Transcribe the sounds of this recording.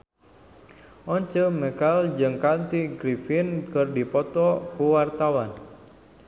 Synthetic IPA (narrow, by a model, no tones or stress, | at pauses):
ɔɲt͡ʃəmɛkald͡ʒɨŋkant̪iɡɾifinkɨrdipɔt̪ɔkuwart̪awan